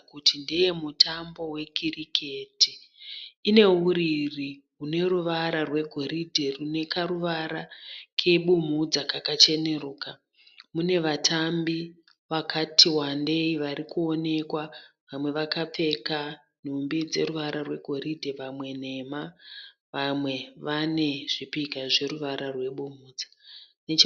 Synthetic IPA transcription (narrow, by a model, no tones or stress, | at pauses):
kutindejemutʰambo̞we̞kirikʰe̞ti | ine̞uɾiri | ɦune̞ɾuʋaɾarwe̞ɡʱo̞ɾidʱe̞rune̞kaɾuʋaɾakʰeɓum̤ud͡zakakat͡ʃe̞ne̞ɾuːka | mune̞ʋatʰambi | ʋakʰatiwande̞iʋaɾikuo̞ne̞kwaʋamwe̞ʋakap͡fe̞ka | n̤umbid͡ze̞̰ruʋaɾarwe̞̰ɡʱo̞ɾidʱe̞ʋamwe̞ne̞ma | ʋamwe̞ʋane̞ʐ̥ipikaʐe̞ɾuʋaɾarwe̞ɓumuːd͡zanet͡ʃ